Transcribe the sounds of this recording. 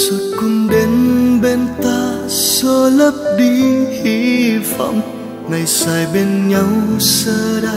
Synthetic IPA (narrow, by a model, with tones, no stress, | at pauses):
su˧kʊ˧nɗe˨˦nɓe˧nt̪aː˧so˧lə˦˥p̚ɗi˧hi˧fa̰˧˨wŋ͡m | ŋa˨˩jsaː˨˩jɓe˧nɲa˧wsəː˧ɗa˧